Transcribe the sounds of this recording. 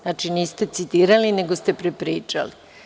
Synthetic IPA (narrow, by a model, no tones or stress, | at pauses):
aːt͡ʃiniːst̪e̞t̪sit̪iːɾaline̞ɡost̪e̞pɾepɾiːt͡ʂa̰li